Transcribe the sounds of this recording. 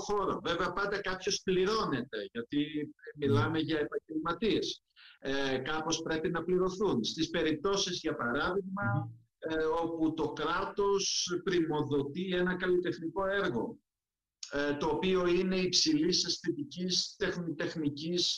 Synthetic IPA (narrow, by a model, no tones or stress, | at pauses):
xo̞ɾo̰ve̞veɐpɐnd̪ɐkɐpço̞spliɾo̞ne̞t̪e̞ʝɐt̪imilɐme̞ʝɐepɐɲɟelmɐt̪ies | kɐpo̞spɾe̞pinɐpliɾo̞θunst̪ispe̞ɾip̚t̪o̞sizʝɐpɐɾɐðiɣmɐ | o̞put̪o̞kɾɐt̪o̞spɾimo̞ðo̞t̪ie̞nɐkɐlit̪e̞xniko̞e̞ɾɣo̞ | t̪o̞ːpio̞ine̞ipsilisɐsθit̪icist̪e̞xnit̪e̞xnicis